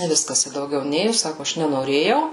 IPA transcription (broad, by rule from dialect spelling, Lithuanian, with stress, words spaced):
ɪ ˈʋʲɪskɐs ɪ dɐʊˈɡʲɛʊ ˈnʲeːjʊ ˈsɑːkʊ ˈɐʃ nʲɛnoːˈrʲeːjɛʊ